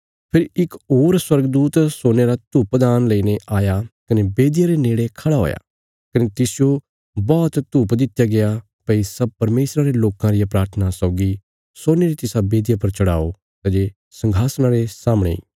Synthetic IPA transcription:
pʰɪɾɪkoːɾswɐɾɡəd̪uːt̪soːneɾat̪uːpd̪aːnləineʔaːjakɐnebeːd̪ɪjaɾeneːɽekʰɐɽaɦo̰ːja̰ | kɐnet̪ɪsɪjo | bɔːt̪t̪uːpd̪ɪt̪jaɡeja | pɐisɐb̚pɐɾmeːsɾaɾeloːkãɾɪjapɾaːɾt̪ʰənasɔʊɡi | soːneɾit̪ɪsabeːd̪japɐɾt͡ʃɐɽa̰ːo | t̪ad͡ʒe | sɐ̃ŋɡʱaːsñaɾesaːməɽ̃ḛḭː

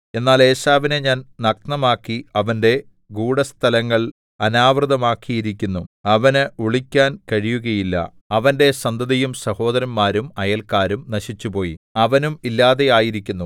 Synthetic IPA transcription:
e̞nːaːle̞ːɕaːʋineɲaːnnɐknɐmaːkːiɐʋɐnde̞ | ɡuːɽɐst̪ʰɐlɐŋːɐɭ | ɐnaːʋrɨðɐmaːkːijiɾikʲːunːuɐʋɐnuɭikʲːaːnkɐɻijuɣɐjilːɐ̰ | ɐʋɐnde̞sɐnd̪ʱɐðɐjumsɐho̞ːd̪ɐɾɐnmaːɾumɐjɐlkaːɾumnɐɕit͡ɕːupo̞ːjḭɐʋɐnumilːaːðe̞jaːjiɾikʲːunːu

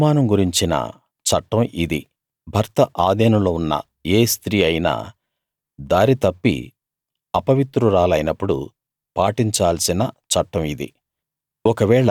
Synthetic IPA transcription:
maːnɐmɡuɾiɲt͡ʃinɐ̰ | t͡ʃɐʈːɐmʔid̪i | bʱɐɾt̪ɐʔaːd̪ɛːnɐmloːunːɐ̰ | eːst̪ɾiːɐjna̰ː | d̪aːɾit̪ɐpːḭ | ɐpɐʋit̪ɾuɾaːlɐjnɐpːuɽṵ | paːʈiɲt͡ʃaːlsinɐt͡ʃɐʈːɐmid̪ḭ | ɔkɐʋɛːɭɐ

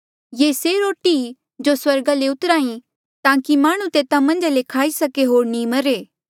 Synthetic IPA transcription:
jeːseɾoːʈi | d͡ʒoswɐɾɡaleʊt̪əɾaːĩ | t̪ãːkimaːɽ̃ũt̪eːt̪ãmɐ̃nd͡ʒalekʰaːisɐkeɦoːɾnĩmɐɾeː

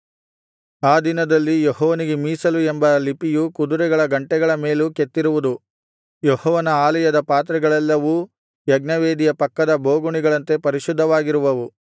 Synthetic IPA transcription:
aːd̪inɐd̪ɐlːijɔɦɔːʋɐniɡemiːsɐlue̞mbɐlipijukud̪uɾɛɡɐɭɐɡɐɳʈɛɡɐɭɐme̞ːluket̪ːiɾuʋud̪u | jɔhɔːʋɐnɐaːlɐjɐd̪ɐpaːt̪ɾɐɡɐɭɛlːɐʋu | jɐɡnɐʋeːd̪ijɐpɐkːɐd̪ɐbʱoːɡuɳiɡɐɭɐnt̪e̞pɐɾiʃud̪ʱːɐʋaːɡiɾuʋɐʋu

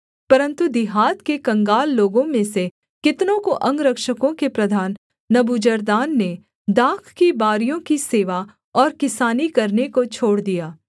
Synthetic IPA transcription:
pɐɾə̃nt̪ud̪ɪɦaːt̪kekɐ̃ŋɡaːlːoːɡõmẽse | kɪt̪nõkoʔɐ̃ŋɡɾɐkʃəkõkepɾɐd̪ʱaːnː | ɐbud͡ʒɐɾd̪aːnːe | d̪aːkʰkibaːɾijõkiseːʋa | ɔːɾkɪsaːnikɐɾnekot͡ʃʰoːɽd̪ijaː

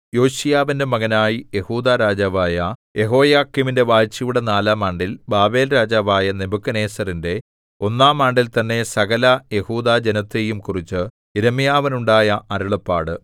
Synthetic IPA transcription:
jo̞ːɕijaːʋinde̞mɐɣɐnaːjije̞huːd̪aːɾaːd͡ʑaːʋaːjɐje̞ɦo̞ːjaːkːiminde̞ʋaːt͡ɕːɐjuɽenaːlaːmaːɳɖilbaːbe̞ːlɾaːd͡ʑaːʋaːjɐnebukːɐne̞ːsɐrinde̞ | o̞nːaːmaːɳɖilt̪ɐnːe̞sɐɣɐlɐje̞huːd̪aːd͡ʑenɐt̪ːe̞jumkurit͡ɕːɨ | iɾɐmijaːʋɐnuɳɖaːjɐʔɐɾuɭɐpːaːɽɨ

